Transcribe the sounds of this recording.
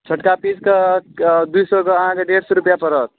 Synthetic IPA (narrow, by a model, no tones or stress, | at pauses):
t͡ʃʰəʈkapid͡ʒke | d̪ujsɔkeəɦãkeɖeɾsɔɾupjapəɾɔt̪̚